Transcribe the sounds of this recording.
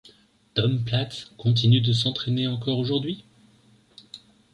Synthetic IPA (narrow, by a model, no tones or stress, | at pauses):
t̪ɔmplat̪kɔ̃t̪̬inyd̪əs̬ɑ̃t̪χeneɑ̃kɔʁoʒuʁd̪ɥi